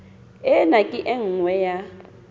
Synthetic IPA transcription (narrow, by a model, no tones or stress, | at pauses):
ɛnakʼɪʔɛŋ̩ŋwɛja